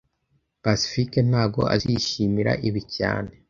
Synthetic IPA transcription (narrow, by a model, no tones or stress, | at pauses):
pasi̥fiken̥haːɡo̞̰ʔa̰ziʃimiɾa̰ʔiβica̰ːne̞